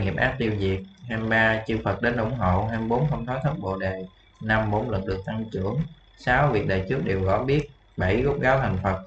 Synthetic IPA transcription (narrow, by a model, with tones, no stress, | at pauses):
ŋi˨˩əp̚ʔaː˦˥t̚t̪i˧əwzi˨˩ət̚haː˧mɓaː˧t͡ɕɨ˧fə˨˩t̚ɗe˨˦nʔʊ̰˧˩ŋ͡mɦo̰˧˨ɦaː˧mɓo˨˦nxʰə˧wŋ͡mt̪ʰɔ˨˦jt̪ʰə˦˥t̚ɓo̰˧˨ɗe˨˩ | na˧mɓo˨˦nlə˨˩n̚ɗɨ˨˩ək̚t̪a˧ŋt͡ɕɨ̰˧˥əŋ | saː˨˦wvi˨˩ək̚ɗə̰ː˨˩jt͡ɕɨ˦˥ək̚ɗe˨˩wɣɔ˨˧˦ɓi˦˥ət̚ | ɓə˧˩jɣo˦˥k͡p̚ɣaː˨˦wt̪ʰa˨˩ŋ̟fə˨˩t̚